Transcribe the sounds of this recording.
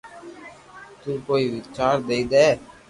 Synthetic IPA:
t̪uːkoːiːʋɪt͡ʃaːɾd̪eːiːd̪ɛː

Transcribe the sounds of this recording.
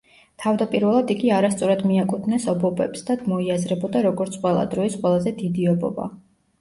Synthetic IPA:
t̪ʰavd̪apʼiɾvɛlˠad̪iɡiaɾast̪sʼɔɾad̪miakʼut̪ʰnɛsɔbɔbɛpsd̪ad̪mɔiazɾɛbɔd̪aɾɔɡɔɾt̪sʰqʼwɛlˠa̰d̪ɾɔisqʼwɛlˠazɛd̪id̪iɔbɔ̰ba̰

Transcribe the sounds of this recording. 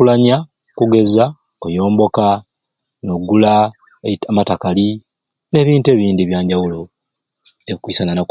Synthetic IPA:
ulaɲa | kuɡe̞za | kojo̞ːmbo̞ka | noɡːula | amatakali | ne̞ːβiːnte̞ːβiːndiβjaːɲɟawulo̞ | eβikwiːsanana

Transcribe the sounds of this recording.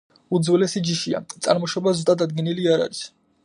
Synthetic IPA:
ud̪zwɛlɛsid͡ʒiʃia̰t̪sʼa̰ɾmɔʃɔbazut̪ʼad̪ad̪̚ɡɛniliaɾa̰ɾis

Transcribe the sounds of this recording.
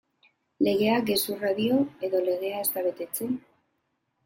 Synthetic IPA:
le̞ɣ̞e̞aɡe̞suraðio̞e̞ðo̞le̞ɣe̞ae̞st̪aβe̞t̪e̞t͡se

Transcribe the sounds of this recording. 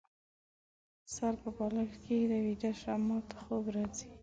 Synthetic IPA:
saɾpəbɑlaɾkʰed̪əwid̪aʃɾamɑt̪ḁxobɾɑzi

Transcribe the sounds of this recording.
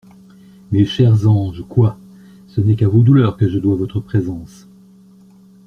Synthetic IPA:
meʃɛʁzɑ̃ʒkwa | sənɛkavod̪ulœːʁkəʒəd̪wavɔt̪χəpχezɑ̃s

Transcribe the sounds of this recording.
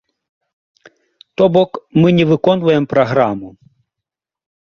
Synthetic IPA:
t̪ɔbɔkmɪnʲɛʋɪkɔnʋɐjɛmpɾɐɦɾamʊ

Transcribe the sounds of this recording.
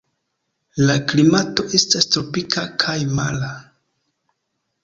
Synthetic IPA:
laklimato̞ʔe̞stastɾo̞pikʰakʰajma̰la

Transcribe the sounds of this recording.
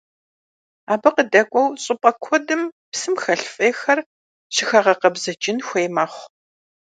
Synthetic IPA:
aːbɨqədɐkʷʼɔwɕʼɪpʼɐkʷʰɔdɨm | psɨmxɐɬfʼeːxɐr | ɕɪxɐʁɐqɐbzɐt͡ʃʼɪnxʷejmaːχʷ

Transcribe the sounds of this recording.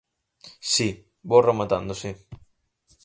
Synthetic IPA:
si | boremat̪a̰nd̪osi

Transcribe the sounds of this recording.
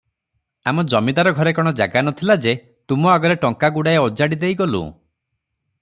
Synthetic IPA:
amɔd͡ʒɔmid̪aɾɔɡʱɔɾekɔɽ̃ɔd͡ʒa̰ɡanɔt̪ʰilad͡ʒe | t̪umɔaɡɔɾeʈɔŋkaɡuɽaeɔd͡ʒaɽid̪ejɡɔlṵ

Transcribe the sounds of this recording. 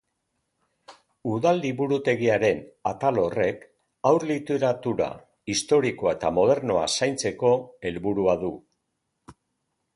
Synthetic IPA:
uðald̪iβuɾut̪e̞ɣiaɾe̞nat̪alo̞re̞k | awɾlit̪eɾat̪uɾa̰ | ist̪o̞ɾiko̞aet̪amo̞ð̞e̞ɾno̞a̰sajnt͡se̞ko̞e̞lβuɾuaðu

